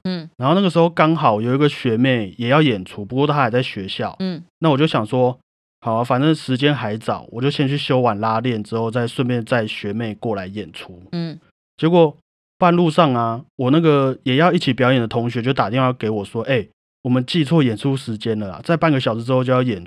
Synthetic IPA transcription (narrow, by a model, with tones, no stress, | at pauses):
a˧nxna˥˩ə˩ʂɻ̩˧˥xo˥˩ʊkɑ˥ŋxɑ˨˩˦ʊjo˨˩ʊi˧˥ɡə˨ɕɥɛ˧˥me˥˩ɪjɛ˨˩jɑ˥˩ʊjɛ˨˩nʈ͡ʂʰu˧˥pu˧kwɔ˥˧t̪ʰa˦˥xa˨˩t͡sa˥˩ɪɕɥɛ˧˥ɕjɑ˥˩ʊna˥˩wɔ˨˩t͡ɕjo˥˩ʊɕɑ˨˩ŋʂwɔ˦ | xɑ˨˩ʊa˨˩fa˨˩nʈ͡ʂə˥ʂɻ̩˧˦t͡ɕjɛ˦˥nxa˧˥ɪt͡sɑ˨˩˦ʊwɔ˨˩t͡ɕjo˥˧ʊɕjɛ˥˧nt͡ɕʰy˥˩ɕjo˥ʊwa˨˩nla˦ljɛ˥˩nʈ͡ʂɻ̩˥xo˥˧ʊt͡sa˥˧ɪʂwə˥˧nmjɛ˥˧nt͡sa˥˩ɪɕɥɛ˨˧˥me˥˧ɪkwɔ˥˩la˧˦ɪjɛ˨˩nʈ͡ʂʰu˧˦ | t͡ɕjɛ˧˥kwɔ˨˩ | pa˥˧nlu˥˧ʂɑ˥˩ŋa˨wɔ˨˩na˥˩ɡə˨jɛ˨˩jɑ˥˧ʊi˥˩t͡ɕʰi˨˩pjɑ˧˥ʊjɛ˨˩nd̪ə˩t̪ʰo˧˦ŋɕɥɛ˧˦t͡ɕo˥˩t̪a˨t̪i˥˧˥ke˧˥ɪwɔ˨˩ʂwɔ˦˥ʔe˥˩ɪ | wɔ˨˩mə˦nt͡ɕi˥˧t͡sʰwɔ˥˨jɛ˨˩nʈ͡ʂʰu˦ʂɻ̩˧˦t͡ɕjɛ˦˥nlə˨˩a̰˨˩t͡sa˥˧ɪpa˥˩nɡə˩ɕɑ˨ʊʂ̩˧˥ʈ͡ʂɻ̩˥xo˥˧t͡ɕjo˥˧jjɛ˨˩